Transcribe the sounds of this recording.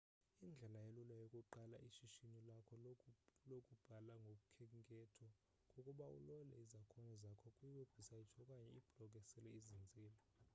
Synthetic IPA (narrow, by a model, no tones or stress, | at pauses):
ind͡ɮʱɛlajelulajokʼuǃalaʔiʃiʃinilakʰɔlokʼub̥ʱalaŋɡʱok̬ʼukʰɛŋkʼɛtʰɔ | kʼokʼuɓaṵlɔlɛ̰izakʰɔnɔzakʰɔkʼujiɓeb̥ʱisait͡ʃʰɔkʼaɲɛib̥ʱlɔk̬ʼɛsɛlɛizind͡zʱiːlɔ